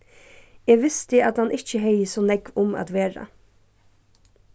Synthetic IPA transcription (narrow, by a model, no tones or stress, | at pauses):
ɛːɡʋɪst̪ɪat̪hanʔɪht͡ʃəɦejəsɔnɛkʋʊma̰ːt̪ʋeːɹa̰